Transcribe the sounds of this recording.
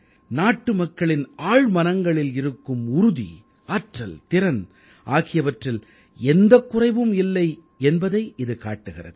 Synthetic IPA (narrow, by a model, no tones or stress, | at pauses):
naːʈːɯmɐkːɐɭɪnaːɻmɐnɐŋɡɐɭɪlɪɾɯkːɯmʊɾʊðḭ | aːʈrɐlt̪ɪɾɐn | ʔaːɣɪjɐʋɐʈrɪl | ɛnd̪ɐkːʊrɐɪʋɯmɪlːɐɪ | ɛnbɐðɐɪʔɪðɯkaːʈːɯɣɪrɐ̰ðɯ